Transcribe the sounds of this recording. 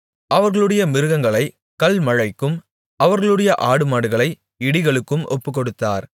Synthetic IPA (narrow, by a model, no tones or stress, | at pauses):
ʔɐʋɐɾɣɐɭɯɽɐjɐmɪɾɯɣɐŋɡɐɭɐɪ | kɐlmɐɻɐɪkːɯm | ʔɐʋɐɾɣɐɭɯɽɐjɐʔaːɽɯmaːɽɯɣɐɭɐɪ | ɪɽɪɣɐɭɯkːɯmʔɔ̰pːɯkːɔɽɯt̪ːa̰ːɾ